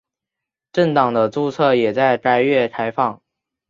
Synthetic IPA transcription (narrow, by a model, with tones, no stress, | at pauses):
ʈ͡ʂə˥˩ŋt̪ɑ˨˩ŋd̪ə˦t͡su˥˧t͡sʰɤ˥˩jɛ˨˩t͡sa˥˩ɪʈ͡ʂa˧˥ɪɥɛ˥˩t̪ʰa˧˥ɪfɑ˥˩ŋ